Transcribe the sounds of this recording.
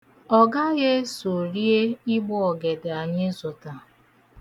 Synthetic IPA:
ɔ˨ɡa˦ɣe˦so˨ɾi˦e˦i˦ɡ͡bɔ˦ɔ˨ɡe˨da˨ɲɪ˦zʊ˨ta˨

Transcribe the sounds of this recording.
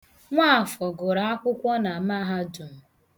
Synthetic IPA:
ŋʷa˦˨fɔ˨ɡʊ˨ɾa˨a˦kʷʊ˦kʷɔ˦na˨a˨ma˦ɦa˦du˨m̩˨

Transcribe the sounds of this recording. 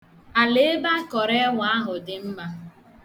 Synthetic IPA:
a˨le˦ba˦kɔ˨ɾe˦wa˦ɦʊ˨dɪ˨m̩˦ma˦

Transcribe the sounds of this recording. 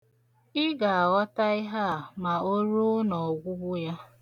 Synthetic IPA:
ɪ˦ɡa˨a˨ɣɔ˦ta˦ɪ˦ɦa˦a˨ma˨o˦ɾu˦nɔ˨ɡʷʊ˦bʊ˦ja˦

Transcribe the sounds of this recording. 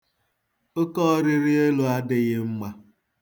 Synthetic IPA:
o˦kɔ˦ɾɪ˦ɾɪ˦e˦lo˦a˦dɪ˦ɣɪ˦m̩˦ma˦

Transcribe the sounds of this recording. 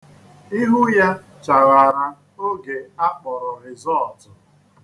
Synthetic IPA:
i˦ɦʊ˦ja˦ | t͡ʃa˨ɣa˨ɾa˨ | o˦ɡe˨a˦k͡pɔ˨ɾʊ˨ɾɪ˨zɔ˦ɔ˨tʊ˨

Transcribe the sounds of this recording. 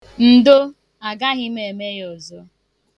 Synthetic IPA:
n̩˨do˦ | a˨ɡa˦ɣɪ˦m˦e˨me˦jɔ˨zɔ˦

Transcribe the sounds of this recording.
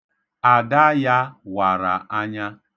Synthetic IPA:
a˨da˦ja˦wa˨ɾa̰˨a˦ɲa˦

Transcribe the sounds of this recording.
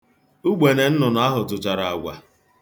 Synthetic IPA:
u˦ɡ͡be˨ne˨n̩˦nʊ˨n˨a˦ɦʊ˨tʊ˨t͡ʃa˨ɾa˨a˨ɡʷa̰˨

